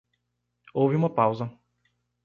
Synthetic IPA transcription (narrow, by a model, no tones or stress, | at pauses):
ɔvimɔpawza